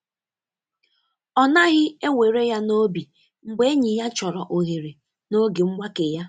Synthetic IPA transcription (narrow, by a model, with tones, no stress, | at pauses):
ɔ˦na˦ɣɪ˦e˦ŋʷe˨ɾe˦ja˦no˦bi˨ | ŋ͡m̩˨ɡ͡be˦e˦ɲi˨ja˦t͡ʃɔ˨ɾɔ˨ʔo˨ɦe˨ɾe˨ | no˦ɡe˨ŋ͡m̩˦ɡ͡ba˦ke˨ja˦